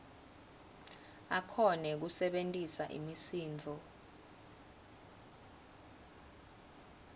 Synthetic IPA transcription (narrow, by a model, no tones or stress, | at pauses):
akʰɔnɛk̬usɛɓentʼisaʔḭmisiːnd͡ɮʱɔ